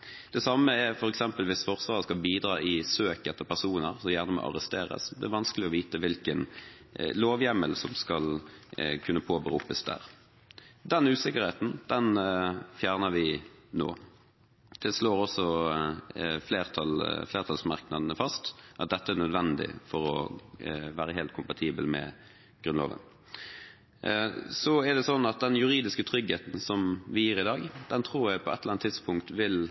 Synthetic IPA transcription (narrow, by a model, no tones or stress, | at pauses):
d̪̥ɛsɑməɛfɔɾɛksɛmpəlʋɪsfɔʁsʋɑːʁəskɑlbiːd̪ɾɑ̰ːʔɪsøːkɛt̪ːəpʰæʁsuːnəʁsɔjæːʁnəmɔ̰ʔɑ̰ʁəst̪eːɾə̰sd̪ɛ̰æʋɑnskəlɪɔʋiːt̪əʋɪlkən | loːʋjɛməlsɔmskɑlkʰʉnːəpʰoːbəɾṵːpəsd̪æ̰ːʁ | d̪ɛnʉːsɪkːəʁheːt̪n̩d̪̥ɛnfjæːʁnəʋɪno̰ː | t̪ʰɪlsloːɾɔsɔ | fleːʁt̪ʰɑlfleːʁt̪ʰɑlsmɑʁknɑd̪nəfɑst̪ʔɑt̪̚d̪ɛt̪ːəænœd̪ʋɛnd̪ɪ̰fɔɾɔ̰ | ʋæːɾəɦeːlt̪kʰʊmpɑt̪ʰiːbəlmɛ̰ | ɡ̥ɾʉnlo̰ːʋə̰n | sɔɛæd̪ɛsɔnːɑt̪̚d̪ɛnjʉʁiːd̪ɪskət̪ʰɾʏɡheːt̪n̩sɔmʋɪjiːɾɪd̪ɑːɡd̪̥ɛnt̪ʰʁuːʁjæɪpʰɔɛt̪ləlɑnt̪ʰːɪd̪spʊŋkt̪ʋɪl